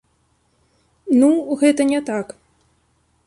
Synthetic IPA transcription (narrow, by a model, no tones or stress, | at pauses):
nuɣɛt̪ɐnʲɛt̪ak